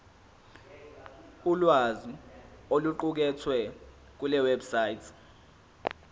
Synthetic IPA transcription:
ulwazioluǃuk̬ɛtʰwɛ | k̬ulɛwɛbsaːjtʰ

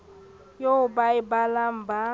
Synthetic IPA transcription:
joʊbaɪbalam̩ba

